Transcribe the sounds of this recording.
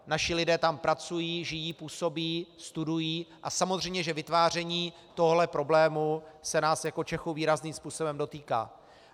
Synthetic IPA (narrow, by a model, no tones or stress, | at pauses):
naʃɪlɪdɛːt̪ampɾat͡sujiːʒɪjiːpuːso̞biːst̪udujiːʔasamozr̝ɛjmɲɛʒɛvɪt̪vaːr̝ɛɲiː | t̪o̞ɦoɦlɛpɾo̞blɛːmusɛnaːsjako̞t͡ʃɛxuwviːɾazniːmspuːso̞bɛmdo̞t̪iːka̰ː